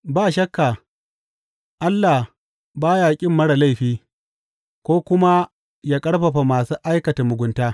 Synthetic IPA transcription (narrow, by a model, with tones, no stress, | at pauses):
baː˦˨ʃɐ˦kːaː˨ | ʔa˦lːa˨h | baː˦jaː˨kʲʼɪ˦˨mːɐ˦ɽa˨la˦jɸiː˦ | kʷoː˦kʷʊ˦ma˦ | jaː˦kʼɐ˦ɽɸɐ˨ɸa˨maː˨suː˦ʔa˦jkɐ˨ta˨mʊ˨ɡʷʊ˨ntaː˦